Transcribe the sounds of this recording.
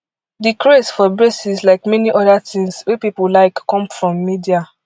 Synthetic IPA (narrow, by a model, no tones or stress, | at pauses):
dikɹesfɔbɹesislaɪkmɛniʔɔdatĩŋswɛpipolaɪkkːɔ̃mfɹɔ̃mːidia